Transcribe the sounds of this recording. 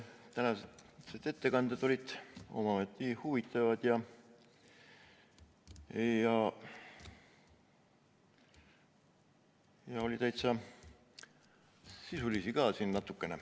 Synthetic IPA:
t̪ænɑsed̪e̞t̪ːe̞kɑnd̪̥ed̪̥o̞lid̪̥o̞̰mɑɑmet̪ːihuvit̪ːˑɑvɑd̪̥jɑ | jɑ | jɑo̞lit̪æjt̪sɑ | sisulisiɡɑːsinnɑt̪ːˑukːˑene

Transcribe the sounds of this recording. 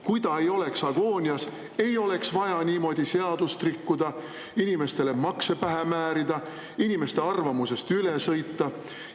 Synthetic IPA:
kujd̪̥ɑejo̞le̞ksɑɡ̥o̞ːnʲiɑs | e̞jo̞le̞ksvɑjɑniːmo̞d̪̥ise̞ɑd̪̥ust̪rikːud̪̥ɑ | inime̞st̪e̞le̞mɑkse̞pæɦemæːɾid̪ɑ | inimest̪e̞ɑrvɑmuse̞st̪ylesɤ̞jt̪ːɑ

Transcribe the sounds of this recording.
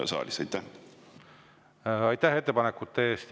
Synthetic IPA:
sɑ̰ːlʲisɑjt̪ːæ | ɑjt̪ːæɦet̪ːepɑnekːut̪ːeeːst̪

